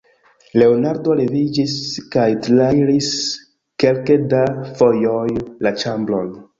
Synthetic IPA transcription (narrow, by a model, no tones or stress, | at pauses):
le̞onaɾdo̞ɾevid͡ʒiskajtlajɾis | ke̞lkedafojojlat͡ʃamblo̞̰n